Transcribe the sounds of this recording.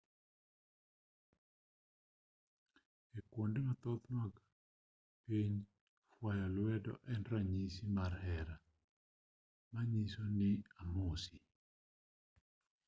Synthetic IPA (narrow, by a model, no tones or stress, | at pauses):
ekwondemat̪ɔt̪nwaɡa | piɲ | fwajalwɛdɔ̰ʔɛnɾaɲisimarhɛɾa | maɲisonɪamʊsi